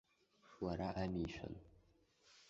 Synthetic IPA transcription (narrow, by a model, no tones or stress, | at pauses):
waɾaʔamiʃə̰l